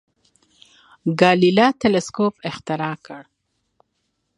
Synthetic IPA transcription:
ɡɑlilɑt̪elɪskopɪxt̪ɪɾɑkəɽ

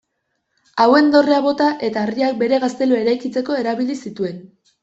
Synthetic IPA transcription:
awe̞nd̪o̞reaβo̞t̪aʔe̞t̪aːriak̚be̞ɾe̞ɣast̪e̞loe̞ɾajkit͡se̞ko̞e̞ɾaβilisit̪ue̞n

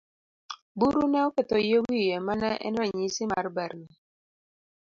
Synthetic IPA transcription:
buɾunɛokɛt̪ɔjewijemanɛʔɛ̰nɾɛɲisima̰rbɛɾni

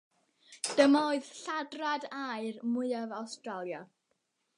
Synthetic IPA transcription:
d̥əmaoɨðɬadradaɨrmʊɨavawstralˠja

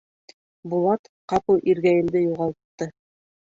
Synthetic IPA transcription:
bulˠɑt̪ | qɑpɤlˠʔiɾɡæjɘ̆nd̪ɘjuʁɑlˠt̪ːɤ

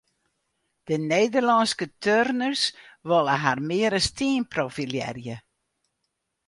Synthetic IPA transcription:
d̥əneːdərlɔnskətʰørnərsʋɔlˠəɦarmɪəɾəstiːnprofiljɛ̰rjə

